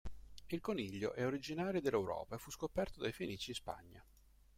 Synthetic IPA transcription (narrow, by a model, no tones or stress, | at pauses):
ilkoniʎːo̰ʔɛoɾid͡ʒinaːɾjod̪elːewɾɔ̰ːpaefːuskopɛrt̪od̪ajfenʔiːt͡ʃispa̰ɲːa̰